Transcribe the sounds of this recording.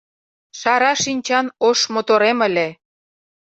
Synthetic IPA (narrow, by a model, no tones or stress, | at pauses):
ʃɑɾɑʃinʲt͡ɕɑnoʃmot̪oɾemə̆lʲe